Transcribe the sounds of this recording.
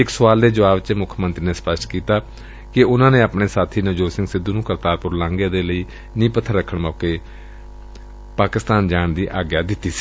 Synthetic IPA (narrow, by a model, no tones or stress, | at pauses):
ɪksʊʋaːld̪eːd͡ʒəʋaːbt͡ʃmʊkʰmə̃nt̪ɾiːneːspəsʈkiːt̪aː | kɪʊnãːneːapɳeːsaːt̪ʰiːnəd͡ʒoːsɪ̃ŋɡsɪd̪ːuːnũːkəɾt̪aːɾpʊɾlãːŋɡeːd̪eːləiː | nĩːpət̪ʰːəɾːəkʰːəɳmɔːkeː | paːkɪst̪aːnd͡ʒaːɳd̪iːʔaːɡjaːd̪ɪt̪ːiːsi̥ː